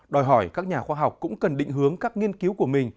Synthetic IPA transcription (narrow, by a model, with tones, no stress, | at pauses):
ɗɔ˨˩jɦɔ˧˩jkaː˦˥k̚ɲaː˨˩xwaː˧ɦa˨˩wk͡p̚kːʊ̰˧˥ŋ͡mkə˨˩nɗḭ˧˨ŋ̟ɦɨ˨˦əŋkaː˦˥k̚ŋi˧ənki˨˦wku˧˩əmï˨˩ŋ̟